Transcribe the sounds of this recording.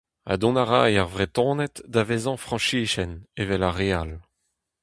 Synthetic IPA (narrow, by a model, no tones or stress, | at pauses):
a̰d̪ɔ̃naʁajaʁvʁet̪ɔ̃ːnɛt̪d̪avezɑ̃fχɑ̃ʃiːʃɛnevɛlaʁeal